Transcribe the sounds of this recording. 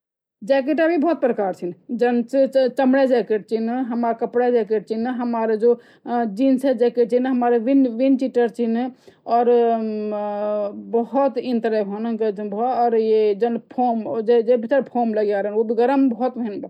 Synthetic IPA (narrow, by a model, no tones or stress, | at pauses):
d͡ʒɛk̬eʈabʱibɔɦut̪̚pɾəkaɾt͡ʃʰind͡ʒənt͡ʃet͡ʃəmɽɛd͡ʒekeʈ̚t͡ʃʰinɦəmɾakəpɽed͡ʒɛkeʈ̚t͡ʃʰinɦəmaɾd͡ʒo | d͡ʒinsed͡ʒɛkeʈt͡ʃʰinɦəmaɾʋinʋint͡ʃiʈəɾt͡ʃʰinɔːɾ | bəɦut̪ĩnt̪ɾɛbʱonəked͡ʒbʱɔɔːɾjed͡ʒənpʰomd͡ʒed͡ʒebʱit̪əɾpʰomləɡjaɾənobʱiɡəɾəmbɔɦut̪bʱeinb